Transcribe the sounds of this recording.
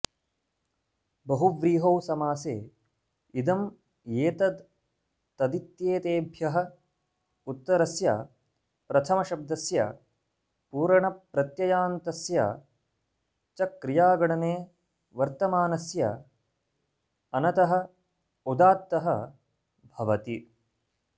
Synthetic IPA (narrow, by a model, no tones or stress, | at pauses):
bɐɦuʋɾiːɦowsɐmaːsḛː | id̪ɐm | jeːt̪ɐd̪ | t̪ɐd̪it̪jeːt̪eːbʱjɐɦɐ̆ | ut̪ːɐɾɐsjɐ̰ | pɾɐt̪ʰɐmɐʃɐb̚d̪ɐsjɐ̰ | puːɾɐɳɐpɾɐt̪jɐjaːnt̪ɐsjɐ̰ | t͡ʃɐkɾijaːɡɐɳɐneː | ʋɐɾt̪ɐmaːnɐsjɐ̰ | ɐnɐt̪ɐɦɐ̆ | ud̪aːt̪ːɐɦɐ | bʱɐʋɐt̪i